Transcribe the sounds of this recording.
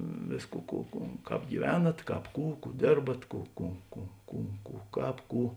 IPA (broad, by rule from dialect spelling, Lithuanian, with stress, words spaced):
ˈʋʲeːsˌkuː ˈkuː ˈkuː ˈkɑːp ɡʲiːˈʋʲæːnɐt ˈkɑːp ˈkuː ˈkuː ˈdʲeːrbɐt ˈkuː ˈkuː ˈkuː ˈkuː ˈkuː ˈkɑːp ˈkuː